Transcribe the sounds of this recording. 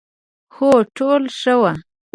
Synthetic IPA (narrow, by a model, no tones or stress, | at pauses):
xoʈolʂəwa